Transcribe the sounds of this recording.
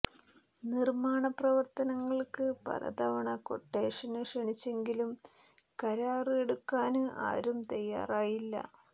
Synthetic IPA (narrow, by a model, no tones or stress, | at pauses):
nirmaːɳɐprɐʋɐrt̪ɐnɐŋːɐɭkɨpɐ̰ɾɐ̰d̪ɐʋɐɳɐko̞̰ʈːe̞ːʂɐnɨʂeɳit͡ɕːe̞ŋɡilum | kɐɾaːrɨe̞ɽukːaːnɨʔa̰ːɾumt̪ɐjːa̰ːraːjilːɐ̰